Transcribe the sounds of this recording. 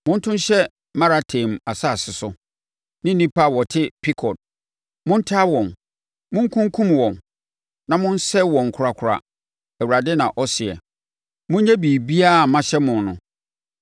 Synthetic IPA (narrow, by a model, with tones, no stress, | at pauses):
mʊ̃˦n˦tʰʊ̃˦n˦ɕɛ˦ | mã˦ɾa˨tʰẽ˨ma˨sa˦˨sɪ˨sʊ˨ | nɪ̃˦nĩ˦pʰa˦˨wɔ˨tʰɪ˦pʰi˦kʰɔ˨t̚ | mʊ̃˦n̩˦tʰa˦wɔ̃˨n | mʊ̃˦ŋ˦kʰʊ̃˦ŋ˦kʰũ˦mwɔ̃˨n | nã˨mʊ̃˦n̩˦sɛ˦wɔ̃˨ŋ˨kʰʊ˨ɾa˨kʰʊ˨ɾa̰˨ | æ˨wu˨ɾa˨dɪ˦nã˨ʔɔ˦sɪ˨ɛ̰˨ | mʊ̃˦ɲ˦ɲɛ̃˦biː˨bi˦a˦˨mã˦ɕɛ˦mʊ̃˨nnʊ̃˨